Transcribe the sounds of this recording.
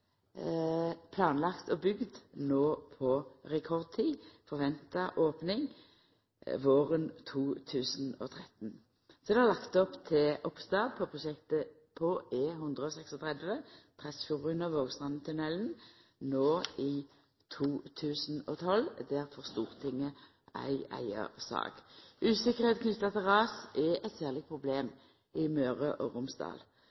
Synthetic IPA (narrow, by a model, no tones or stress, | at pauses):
pʰlɑːnlɑkt̪ɔbʏɡd̪noːpʰɔʁɛkʰɔʁd̪̚t̪ʰiːfɔʁʋɛnt̪ɑʔoːpnɪŋ | ʋoːʁənt̪ʰuːt̪ʰʉːsn̩o̰ːt̪ʰʁɛt̪n̩ | sɔd̪ɛɑlɑkt̪əɔpt̪ʰɪʔɔpst̪ɑːdpʰɔpʰʁʊʃɛkt̪ə | pʰɔʔeːɦʉnd̪ʁəɔːsɛksɔt̪ʰʁɛd̪ʋət̪ʰʁɛsfʊʁʉnəʋoːɡst̪ʁɑnːət̪ʰʉnɛln̩ | noːɪː | t̪ʰuːt̪ʰʉːsn̩ɔ̰ːt̪ʰɔld̪æʁfɔʁst̪uːʁt̪ʰɪŋːə | æ̰ɪæ̰ɪə̰sɑ̰ːɡ̥ʉːsɪkəʁheːt̪̚kʰnʏt̪ːɑt̪ʰɪlʁɑːsɛʔɛt̪sæːʁlɪpʰʁʊbleːm | ɪmøːʁəʔɔːʁʊmsd̪ɑ̰ːl